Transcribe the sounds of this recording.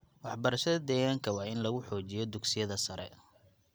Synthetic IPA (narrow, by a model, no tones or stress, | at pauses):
wɑħbɐɾɐʃɐðɐd̪ɛːɣaːŋkʰɐwɑːɪnlɐɣʊħɔːt͡ʃɪjɔd̪ʊksɪjɐðɐsɐɾɛ̰